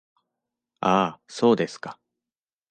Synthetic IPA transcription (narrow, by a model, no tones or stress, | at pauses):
aːso̞ːd̪e̞sɨ̥kḁ